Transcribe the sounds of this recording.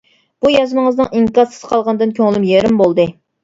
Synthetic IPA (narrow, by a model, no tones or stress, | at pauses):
b̥ujɑzɨnɨŋəznɨŋʔiŋkɑɾsɨ̥z̥qʰɑlˠʁɑnɨd̪ɨnkʲʰøŋlymjeɾɪmbolˠd̪ɨ